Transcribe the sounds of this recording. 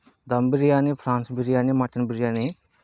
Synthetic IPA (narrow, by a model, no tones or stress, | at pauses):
d̪ɐmbiɾijaːnipʰɾaːnsbiɾijaːnimɐʈɐnbiɾijaːni